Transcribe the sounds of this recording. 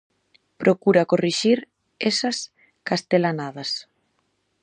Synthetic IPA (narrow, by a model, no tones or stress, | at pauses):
pɾokuɾɐkoriʃiɾ | esɐs | kast̪elanaðɐs